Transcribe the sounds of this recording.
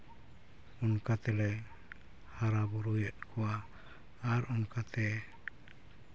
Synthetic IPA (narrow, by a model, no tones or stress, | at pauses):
ɔnkat̪ɛlɛ | haɾabɔɾujɛʔ̪kʰɔwaː | ɾɔnkat̪ʰɛ